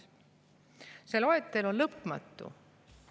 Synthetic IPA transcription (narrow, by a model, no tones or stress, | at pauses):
selo̞et̪ːˑelo̞nlɤpːˑmɑt̪ːˑṵ